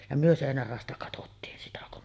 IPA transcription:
jɑ myø seˑinær rɑˑostɑ kɑtotːiːn sitæ kun

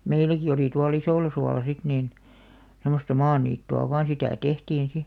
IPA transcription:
meilæki oliˑ tuɑl isoˑlɑsuɑlɑ sit niːn semˑostɑ mɑːniːtːuɑ ʋɑːn sitæˑ tehtiːn si

